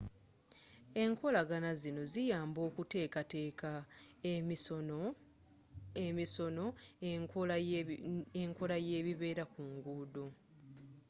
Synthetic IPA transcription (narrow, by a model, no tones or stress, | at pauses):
e̞ŋko̞laɡanazino̞zijaːmbo̞ːkute̞ːkate̞ːka | emisono̞ | eŋko̞laje̞ːβiβe̞ːɾakuŋɡuːdo